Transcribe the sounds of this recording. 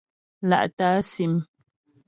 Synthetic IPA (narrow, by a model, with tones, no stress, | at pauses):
la̰˦ʔtaː˨˦si˨m